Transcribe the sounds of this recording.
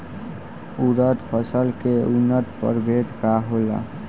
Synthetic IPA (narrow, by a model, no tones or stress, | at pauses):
uɾət̪pʰəsəlkeunːət̪pə̰ɾbʱet̪kaɦola̰